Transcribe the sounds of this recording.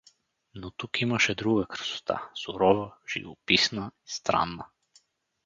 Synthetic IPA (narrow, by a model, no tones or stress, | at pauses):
nɔt̪ukimaʃɛd̪ɾuɡakr̩so̥t̪ʰa̰suɾɔvaʒ̥ḭvɔpisnaist̪ɾa̰nːa